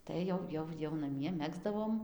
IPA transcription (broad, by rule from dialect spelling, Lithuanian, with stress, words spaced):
ˈtɐɪ jɛʊ ˈjɛʊ jɛʊ nɐˈmʲiɛ ˈmʲæːɡzdɐʋoːm